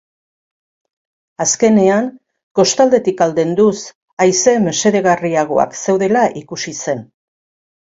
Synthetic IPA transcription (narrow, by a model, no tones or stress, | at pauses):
aske̞ne̞aŋ | ko̞st̪ald̪e̞t̪ikald̪e̞nd̪us | ajse̞mese̞ðe̞ɣariaɣ̞o̞̰a̰kse̞wðe̞laʔikusise̞n